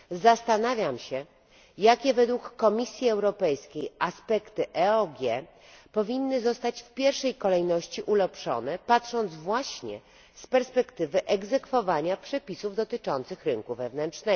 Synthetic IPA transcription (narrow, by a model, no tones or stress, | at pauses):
zast̪anavʲjamɕɛ | jakʲɛvɛd̪wukːɔmʲisʲjiɛwɾɔpɛjskʲejʔaspɛkt̪ɘʔɛɔɡʲjɛ | pɔvʲinːɘzɔst̪at͡ɕfpʲjɛɾʂɛjkɔlɛjnɔɕt͡ɕiʔulɛpʂɔ̰nɛpatʂɔnd̪zvwaɕɲɛ̰ | spɛɾspɛkt̪ɘvɘʔɛɡzɛkfɔvaɲapʂɛpʲisuvd̪ɔt̪ɘt͡ʂɔnt̪sɘxɾɘŋkuvɛvnɛntt͡ʂnɛ